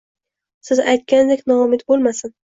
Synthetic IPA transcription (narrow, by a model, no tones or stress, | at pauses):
sɪzajt̪̚kʲand̪ekʲnɒʊmɪt̪bolˠmasɪn